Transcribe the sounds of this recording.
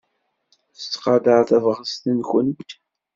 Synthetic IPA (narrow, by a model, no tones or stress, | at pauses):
θət͡sːqɑd̪əɾθævəʁəst̪ənçənt̪